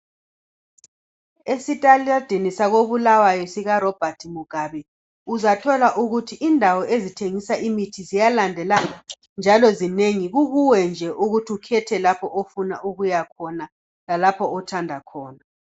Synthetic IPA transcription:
esitʼalad̥ʱinisaɣoβulawajɔsiɣarɔb̥ʱatʰimuɡ̥ʱaβɛ | uzatʰɔlaʔuɣutʰiʔindʱawɔʔezitʰeŋisaʔimitʰizijalandʱɛlaŋa | nd͡ʒʱalɔzineŋiɣuɣuwɛnd͡ʒʱɛʔuɣutʰiukʰɛtʰɛlapʰɔʔofunaʔuɣujakʰɔna | lalapʰɔːtʰandʱakʰɔːna

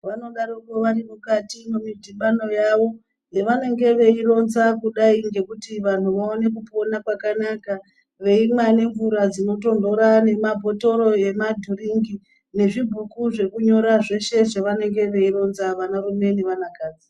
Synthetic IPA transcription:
ʋano̞ɗaɾokoʋaɾimukatimumidʱimɓano̞jaʋo̞ | jeʋane̞ŋɡe̞ʋe̞iro̞nzakuɗaiŋɡe̞kutiʋan̤uʋaone̞k̬upo̞nakwakanaka | ʋe̞imwane̞ɱvuɾad͡zino̞to̞ndo̞ɾane̞mabʱo̞to̞ɾo̞e̞madʱuɾiŋɡi | ne̞ʐibʱukuʐe̞kuɲo̞ɾaʐe̞ʃe̞ʐeʋane̞ŋɡe̞ʋe̞iɾo̞nzaʋanarume̞neʋanakaːd͡zi

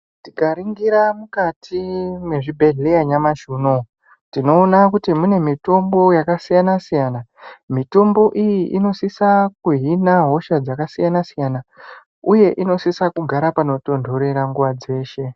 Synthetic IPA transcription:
tikaɾiŋɡiɾamukatʰimwe̞ʐibʱe̞ɮe̞jaɲamaʃuːno̞ | tino̞ːnakutimune̞mito̞mbo̞jakasijanasijanamito̞mbo̞ʔijiʔino̞sisakuɦinaɦo̞ʃad͡zakasijanasijana | uje̞ʔino̞sisakuɡʱaɾapano̞to̞ndʱo̞ɾe̞ɾaŋɡuʋad͡ze̞ːʃe̞

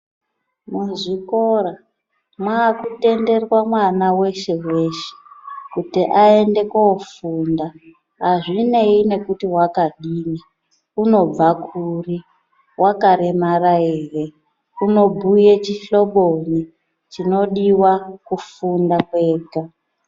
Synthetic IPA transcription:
muʐiko̞ra | mwaːkute̞nde̞rwamwanawe̞ʃe̞we̞ʃe̥kutiʔae̞nde̞kofunda | ɦaʐine̞ine̞kutiwakaɗiːni | uno̞b͡vakʰuri | wʔakaɾemaraeːre̞ | uno̞bʱujet͡ʃiɬo̞ɓo̞ni | t͡ʃino̞ɗiwakufundakwe̞ːɡʱa

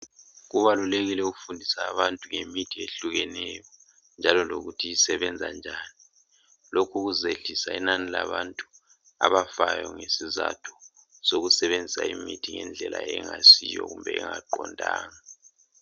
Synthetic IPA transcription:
ɣuβaluleɣilɛuɣufundʱisaːβantʼuŋemitʰieɬuɣɛnɛjɔ | nd͡ʒʱalɔloɣutʰiisɛβɛnd͡zʱand͡ʒʱaːni | lokʰuɣuzeɮisainanilaβantʼu̥ | a̰βafajɔŋesizatʰu̥ | soɣusɛβend͡zʱisa̰imitʰiŋɛnd͡ɮʱɛlʔa̰ɛŋasijɔ̰ɣumbʱɛɛŋaǃɔndʱaːŋa

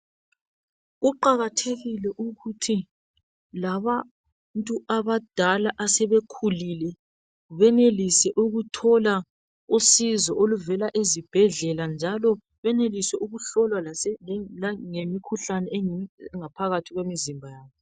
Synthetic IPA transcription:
ɣuǃaɣatʰeɣilɛʔuɣutʰi | laβa | ntʼuʔaβad̥ʱalaʔasɛβekʰulilɛ | βɛnelisɛʔuɣutʰɔla | usizɔʔoluvɛlaʔezib̥ʱɛɮɛland͡ʒʱalɔ | βɛnelisɛʔuɣuɬɔlwalaɛaŋemikʰuɬanɛŋapʰaɣatʰiɣwemizimbʱajaːβɔ

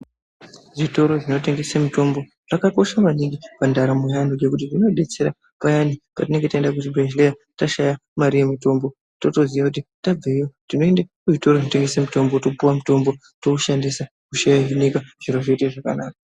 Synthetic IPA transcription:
ʐito̞ɾo̞ʐino̞te̞ŋɡe̞samito̞mbo̞ | ʐ̥akako̞ʃamaniŋɡipandaɾamojanid͡ʒe̞kut̬iʐino̞ɗe̞t͡se̞ɾa | pajanipatine̞ŋɡe̞taendak̬ut̬ibʱeʒleataʃajamaɾije̞mito̞mbo̞ | to̞to̞zijakutitab͡veijotino̞e̞ndakuʐito̞roʐinoteŋɡe̞samito̞mboto̞puwamuto̞mbo̞ | touʃandisa | kuʃajaɦinikaʐ̥iɾoʐeteʐakanaːka

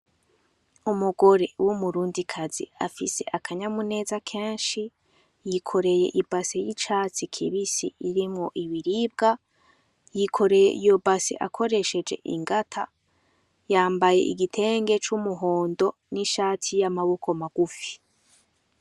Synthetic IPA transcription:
umuɡo̞ɾe̞wʔumuɾuːndikʰazḭa̰fise̞ʔakʰaɲamune̞ːzakʰe̞ːnʃi | jikʰo̞ɾe̞je̞̰ʔibasejit͡ʃaːt͡sikʰiβisḭiɾimŋo̞ʔiβiɾib̚ɡa | jikʰo̞ɾe̞jḛijobasḛʔa̰kʰo̞ɾe̞ʃe̞d͡ʒe̞̰ʔḭŋɡatʰa | jaːmbaje̞̰ʔḭɡitʰe̞ːŋɡe̞t͡ʃumuɦo̞ːndo̞ | niʃaːtʰijamaβokʰo̞maɡ̥ufi̥

